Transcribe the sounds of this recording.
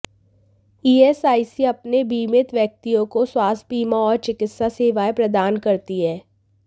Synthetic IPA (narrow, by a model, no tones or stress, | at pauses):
iːesaːiseɐpnebiːmɪt̪ʋjɐk̚t̪ijõkoswaːsbiːmãɔːɾt͡ʃɪkɪt̪saseːʋaːepɾɐd̪aːnkɐɾt̪iɦɛː